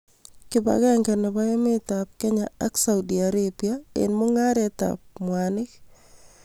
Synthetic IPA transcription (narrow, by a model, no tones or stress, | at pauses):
kɪba̰ɣɛŋkaneβaemet̪ap̚keɲaaksaudiaɾebiaḛnmoŋaɾet̪a̰p̚mwanɪk